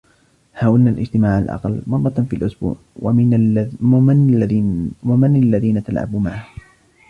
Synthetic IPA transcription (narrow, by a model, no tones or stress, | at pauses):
hawɪlnaːlʔɪ̰d͡ʒt̪ɪmaːʕa̰lʔɑ̰qɑlmɑrˤːɑfiːalʔʊsbṵːʕ | wamanalːaðiːnat̪alʕa̰bmaʕ